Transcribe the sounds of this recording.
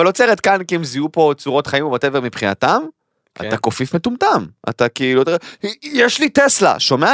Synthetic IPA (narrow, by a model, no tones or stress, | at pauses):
alo̞t͡seʁet̪kankiemziupo̞t͡suʁo̞t̪χaimubatevemipχinatam | ʔa̰t̪ako̞fifmetumt̪ama̰t̪akiilut̪jeʃlitesla̰ʃo̞mea